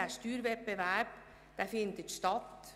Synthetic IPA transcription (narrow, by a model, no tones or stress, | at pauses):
æʃtyːɾʋɛt̚bəʋæɾp | d̥æfɪnd̪ət̪ʃtɑt̪